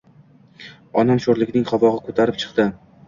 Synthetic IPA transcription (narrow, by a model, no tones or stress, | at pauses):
ɒnamʃoɾlɪkʲnɪŋχɒvɒʁɪkʰɵt̪ʰaɾɪp̚t͡ʃʰɨ̥qt̪ɪ